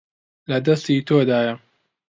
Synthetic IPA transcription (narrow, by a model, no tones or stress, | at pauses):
lɐd̪ɐst̪iːt̪ʰoːd̪aːjɐ